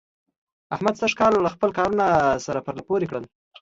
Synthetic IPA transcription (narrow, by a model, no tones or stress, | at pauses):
ahmad̪saʂkɑlːaxpəlkɑɾunasaɾapəɾlapoɾekɽəl